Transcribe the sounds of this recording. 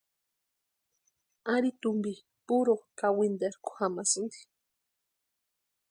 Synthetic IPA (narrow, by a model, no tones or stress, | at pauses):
aɾit̪umbi | puɾokawind̪eɾku̥xamasund̪i̥